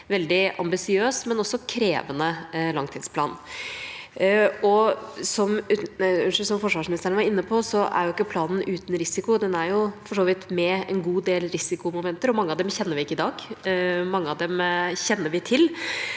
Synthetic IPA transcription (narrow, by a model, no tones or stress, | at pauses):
ʋɛld̪ɪʔɑ̰mbɪsɪøːsmɛnɔsːɔkʰɾḛːʋənəlɑŋt̪ʰiːd̪spʰlɑ̰ːn | ɔsɔm | ʂsɔmfɔʂʋɑːʂmɪnɪst̪ɾəɳʋɑɾɪnːəpʰɔsɔʔæ̰ɾjʊɪkːəpʰlɑːnn̩ʔʉːt̪n̩ɾɪsɪkʊd̪ɛnæɾjʊfɔʂoːʋɪt̪mɛɛ̰nɡuːd̪eːlɾɪsɪkʊmʊmɛnt̪əɾɔmɑŋːəɑʋd̪ɛmçɛnːəɾʋɪɪkːəɪd̪ɑːɡmɑŋːəɑʋd̪ɛmçɛnːəɾʋɪt̪ʰɪl